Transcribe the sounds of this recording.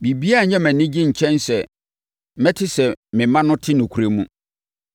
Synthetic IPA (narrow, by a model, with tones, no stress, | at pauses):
bi˨bi˦a˦˨ɲɛ̃˦mæ̃˨nɪ̃˦d͡ʑɪ̃˦ɲ̩˨t͡ɕʰɛ̃˦nsɛ˨ | mɛ̃˦tʰɪ˦sɛ˨mɪ̃˨mã˦nʊ̃˦tʰɪ˦nʊ̃˨kʰu˨˦ɾe˦mũ˦